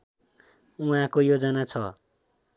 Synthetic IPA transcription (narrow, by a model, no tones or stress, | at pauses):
uɦãkojod͡zʌnat͡sʰʌ